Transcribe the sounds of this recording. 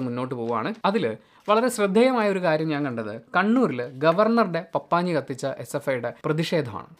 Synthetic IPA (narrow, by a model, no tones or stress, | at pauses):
munːo̞ːʈːɨpoːuʋa̰ːɳɨɐðil | ʋɐɭɐɾe̞ɕrɨd̪ʱːɐjɐmaːjɐoɾukaːɾjɐmɲaːŋkɐɳɖɐðɨkɐɳːuːɾilɡɐʋɐrɳɐriɽe̞pɐpːaːɲːikɐt̪ːit͡ɕːɐʔesefɐjuɽe̞prɐðiʂe̞ːd̪ʱɐma̰ːɳɨ